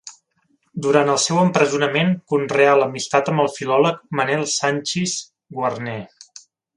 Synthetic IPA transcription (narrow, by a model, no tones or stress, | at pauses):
d̪uɾant̪əlˠsɛwəmpɾəzunəmeŋkunrealəmist̪at̪əmbəlˠfilɔlək̚mənɛlˠsanʲt͡ʃis | ɡwərnɛ